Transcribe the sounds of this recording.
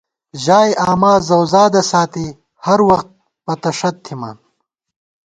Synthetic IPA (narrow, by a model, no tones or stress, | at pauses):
ʑaːjʔaːmaːzɐwzaːd̪ɐsaːt̪i | hɐɾwɐxt̪̚ | pɐt̪ɐʂɐt̪ʰːima̰ːn